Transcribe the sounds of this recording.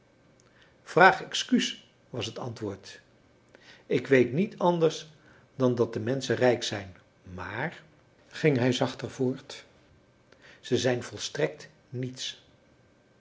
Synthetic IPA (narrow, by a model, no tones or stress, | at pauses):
v̥raːχɛkskys | ʋɑsɦətɑ̰ntʋʊːɹt | ɪkʋejtnitʰɑndəɹs | dɑndɑt̚dəmɛnsərɛjksɛjn | maːr | χɪŋɦɛjzɑχtərvʊːɹt | z̥əzɛjnvɔlˠstrɛk̚t | nits